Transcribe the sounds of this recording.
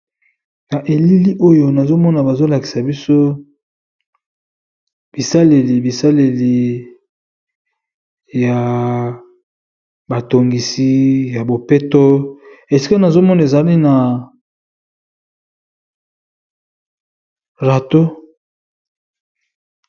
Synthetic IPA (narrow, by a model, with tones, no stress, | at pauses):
na˨ʔe˨li˦li˦ʔo˦jo˨na˨zo˦mɔ˦na˨ba˨zo˦la˨ki̥˨sa˨bi˦so˦ | b̥i˨sa˦le˨li˨bi˨sa˦le˨li˨ | ja˨ | ba˨to˨ŋɡi˨si˦ja˨bo˨pe˦to˦e˨si̥˦ka˦na˨zo˦mɔ˦na˨e˨za˨li˦na˨ | ʁa˨to˦